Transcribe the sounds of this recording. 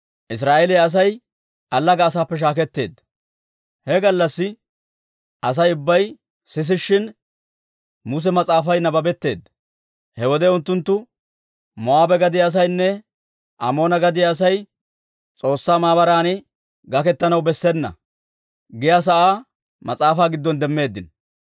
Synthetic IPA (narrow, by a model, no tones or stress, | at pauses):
ʔɪs̬ɾaːʔelɛjɐs̬ɐj | ʔɐlːɐɡɐːsaːpːɛʃ̬aːkɛt̪ːe̞̰ːd̪ɐ | hɛɡɐlːɐsːɪ | ʔɐs̬ɐjʊbːɐj | sɪs̬ɪʃːɪn | mʊs̬ɛmɐt͡sʼaːfɐjnɐbɐbɛt̪ːe̞ːd̪ | hɛwɔd̪ɛʊnt̪ːʊnt̪ːʊ | mɔaːbɛɡɐd̪ɪjaːs̬ɐjnːɛ | ʔɐ̰mo̞ːnɐɡɐd̪ɪjaːs̬ɐj | t͡sʼo̞ːsːaːmaːbɐɾaːnɪ | ɡɐkɛt̪ːɐnɐwbɛsːɛnːɐ̰ | ɡɪjas̬ɐʔaː | mɐt͡sʼaːfaːɡɪd̪ːɔnd̪ɛmːe̞ːd̪ːɪn